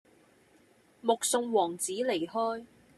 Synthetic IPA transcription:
mʊ˨k̚sʊ˧ŋwɔː˨˩ŋt͡siː˨˥le˨˩jhɔː˥j

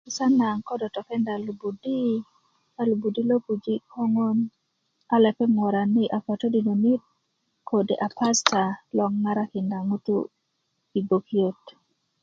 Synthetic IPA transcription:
kɪ˨sa˦na˨ŋkɔ˦dɔ˨tɔ˨kɛ˦nda˨lu˨bu˨di˦ | a˦lu˨bu˨di˦lo˦pu˨d͡ʒi˦kʰo˦ŋo˦n | a˦lɛ˨pɛ˦ŋwɔ˨ɾa˨nɪ˦ʔa˨fɔ˨to˦di˨no˨ni˦t̚ | kʰo˨de˨ʔa˨pa˦sta˨lɔ˨ŋŋa˦ɾa˦kɪ˨nda˨ŋu˦tṵ˦ | i˨bo˨kio˦t

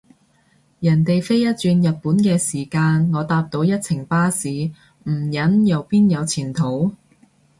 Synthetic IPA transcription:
jɐ˨˩nt̪e˨jfe˥jɐ˥t̚t͡ʃyː˧njɐ˨t̚puː˨˥nkɛː˧siː˨˩kaː˧nŋɔː˨˧t̪aː˧p̚t̪o˧wjɐ˥t̚t͡sʰɪ˨˩ŋpaː˥siː˨˧ | m̩˨˩jɐ˨˥njɐ˨˧wpiː˥njɐ˨˧wt͡sʰiː˨˩nt̪ʰo˨˥w

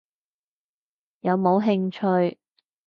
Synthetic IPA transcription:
jɐ˨˧wmo˨˧wɦɪ˧ŋt͡ʃʰɵ˧ɥ

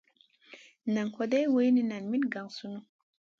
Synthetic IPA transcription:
na˨ŋko˨de˦jwə˦jni˦na˨nmi˦nɡa˨ŋsu˦nu˦

